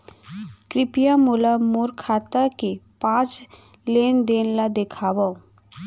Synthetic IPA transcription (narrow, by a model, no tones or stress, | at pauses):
kɾɪpijamulamoɾkʰaːt̪akepãːt͡ʃ | lend̪eːnlad̪ekʰaːwa